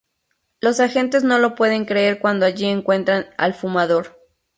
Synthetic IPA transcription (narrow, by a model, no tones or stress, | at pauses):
lo̞saxe̞nt̪̬e̞zno̞lo̞pwe̞ðe̞ŋkɾe̞eɾkwand̪oaʝieŋkwẽ̞nt̪ɾana̰lfumaðo̞ɾ